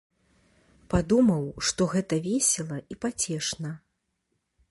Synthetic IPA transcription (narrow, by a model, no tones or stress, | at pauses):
pad̪umɐwʂt̪ɔɣɛt̪ɐvʲɛsʲɛlˠɐipat͡sʲɛʂnɐ